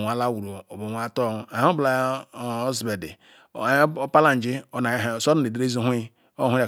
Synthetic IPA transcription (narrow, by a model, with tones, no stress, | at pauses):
ŋʷ˨a˨la˦wu˨ɾo˨o˨bo˨ŋʷa˨to˦˨a˨hbla˨˦zi˨be˨dḭ˨˦ | pa˦la˦n̩˨d͡ʒi˦o˨˦n˨so˦a˦˨e˨di˨ɾe˦zo˦ɦʷ | o˦hʷu˦a˨